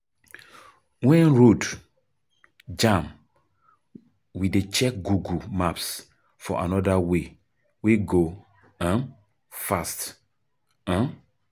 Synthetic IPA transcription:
wɛ̃nɹod | d͡ʒãm | widet͡ʃɛk̚ɡuɡumaps | fɔ̰ʔa̰nɔdawe | weɡo | ã | fast | ã

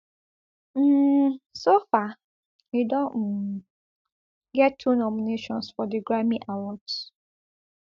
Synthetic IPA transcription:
m̩ːsofa | idɔ̃ | ɡɛtʰːunɔmineʃɔ̃nsfɔdiɡɹamĩʔawɔds

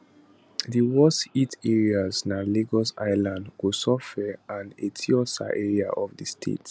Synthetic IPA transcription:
ðiwɔsitɛɹiaznaleɡɔsa̰ɪlãndɡusɔfɛãnetʰiɔsa̰ʔɛɹia̰ʔɔfdistʰḛt

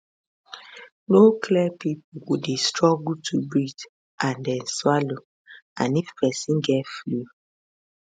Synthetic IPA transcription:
nokʰliɛpipowudestɹɔɡutʰubɹid | ʔãndɛnswalo | ã̰niffɛsĩŋɡɛflu

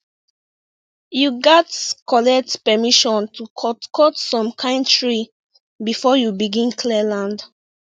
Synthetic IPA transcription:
juɡɛtkʰɔlɛk̚tpɛmiʃɔ̃ntʰukʰtkʰɔtsɔ̃mkʰãɪ̃ndtɹi | bifɔjubiɡĩnkʰlɛlãnd

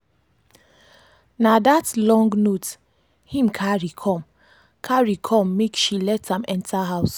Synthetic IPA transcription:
nadatlɔ̃ŋɡnot | hĩmkʰaɹikʰɔ̃m | kʰaɹikʰɔ̃mːekʃilɛtãmɛ̃ntʰaɦaʊs

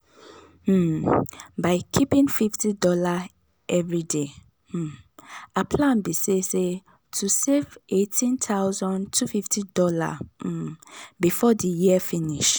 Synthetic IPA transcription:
baɪkʰipĩnfiftidɔla | ɛvɹide | apʰlãnbisese | tʰusevetʰĩntʰaʊzɔ̃ntʰufiftidɔla̰ | bifɔdijiəfĩniʃ

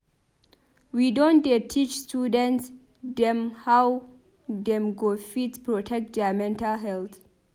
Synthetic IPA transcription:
widɔ̃ndetʰit͡ʃstudɛ̃nts | d̪ɛ̃mhaw | d̪ɛ̃mɡofitpɹɔtʰɛk̚t̚dɛamɛ̃ntalɦɛlt̪

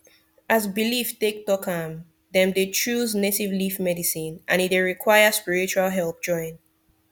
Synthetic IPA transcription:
ʔazbiliftek̚tɔkʰam | ðɛ̃mdet͡ʃuznetivlifmɛdisĩnʔãnit̚deɹikʰwaɪəspiɹit͡ʃualˠɦɛlˠp̚d͡ʒɔ̃ɪ̃n

